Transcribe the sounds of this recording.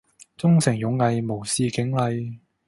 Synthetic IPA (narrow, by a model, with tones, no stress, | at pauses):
t͡sʊ˥ŋsɪ˨˩ŋjʊ˨˥ŋːɐ˨˧jmo˨˩wsiː˧kɪ˨˥ŋlɐ˨˧j